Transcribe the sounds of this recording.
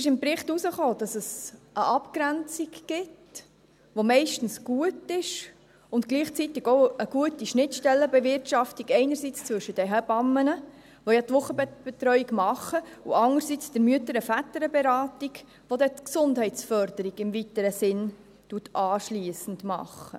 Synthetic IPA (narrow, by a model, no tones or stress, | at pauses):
ɪʃɪmpɾɪχtusəχoːd̥ɑsəsʔəʔɑpkɾænt͡siɡɡ̥ɪt | ʋomɛɪʃtn̩sɡ̥uətɪʃ | ʊntɡ̥liːχt͡sitɪɡoʊəɡuətiʃnɪtʃtɛlːəbɛvɪrtʃɑftiɡɛɪnəɾsit͡st͡sʋɵʃəd̥ɛɦəbɑmːənə | ʋojɑt̪ʋʊχəbb̥ɛt̪ɾœɥiɡmɑχəuɑŋəɾsit͡sd̥əɾmyətəɾəfætəɾəbɛɾɑːtiɡ | ʋodɛtksʊndhɛɪt͡sfœɾdəɾiɡɪmvitəɾəsɪn | tuətɑːʃliəsən̩dmɑ̰χːə̰